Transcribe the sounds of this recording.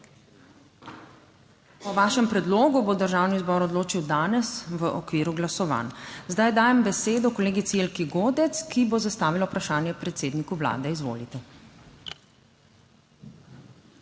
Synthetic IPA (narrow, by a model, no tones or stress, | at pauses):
ɔʋaːʃɛmpɾɛd̪loːɡubod̪əɾʒawnizbɔɾɔd̪loːt͡ʃiwd̪aːnɛsʋəʔɔkʋiːɾuɡlasɔʋa̰nzd̪ajd̪aːjɛmbɛseːd̪ɔkɔleːɡit̪sielkiɡoːd̪ɛt̪skibozast̪aːʋilawpɾaʃaːnjɛpɾɛt̪seːd̪nikuʋla̰ːd̪ɛizʋo̰ːlit̪ɛ